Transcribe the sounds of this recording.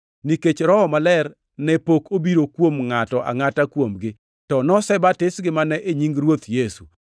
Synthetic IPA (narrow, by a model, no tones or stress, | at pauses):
niket͡ʃɾɔɔmalɛr | nɛpokʰobiɾokwomŋatɔʔa̰ŋatakwomɡɪ | tɔnɔsɛbatɪsɡɪmanɛʔeɲiŋɾwot̪jesu